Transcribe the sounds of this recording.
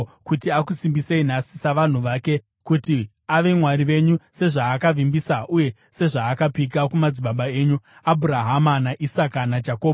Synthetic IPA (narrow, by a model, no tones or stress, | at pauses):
kutiakusimbisein̤asi̥saʋan̤uʋaːke̞ | kuti | aʋe̞mwaɾiʋe̞ɲuse̞ʐaːkaʋimbisaʔuje̞ | se̞ʐaːkapik̬akumad͡ziɓaɓae̞ːɲuabʱuɾaɦamanaʔisakanad͡ʒakoːɓ